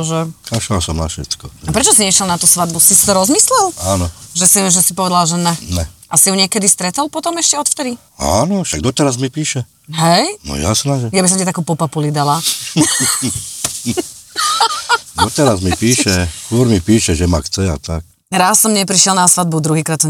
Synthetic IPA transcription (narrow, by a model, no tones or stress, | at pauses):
ʒɛaʃasɔmnafʃɛ̰tkɔapɾɛt͡ʃɔsiɲɛʃjɛlˠnat̪usʋad̪busisi̥t̪ɔɾɔzmislɛlaːnɔʒɛsiʒɛsipɔʋɛd̪alʒɛnɛnɛʔasiuɲɪɛkɛd̪ist̪ɾɛt̪ɔlpɔt̪ɔmɛʃcɛɔt̪ft̪ɛd̪i | a̰ːnɔʃaɡ̚d̪ɔt̪ɛɾazmipiːʃɛ | ɦɛjnɔ̰ja̰snaːʒɛjabis̬ɔmcɛt̪akuːpɔpapulid̪ala | d̪ɔt̪ɛɾazmipiːʃɛsskʊɔɾmipiːʃɛʒɛma̰xt͡sɛa̰t̪ak̚ | ɾassɔmɲɛpɾiʃjɛlˠnasʋad̪̚bud̪ɾuɦiːkɾaːt̪ːɔ